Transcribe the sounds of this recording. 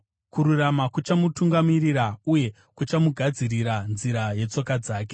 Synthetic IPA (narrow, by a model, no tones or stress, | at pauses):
kuɾuramakut͡ʃamutuŋɡamiriɾauje̞ | kut͡ʃamuɡʱad͡ziriɾanziɾaje̞t͡so̞kad͡zaːke̞̥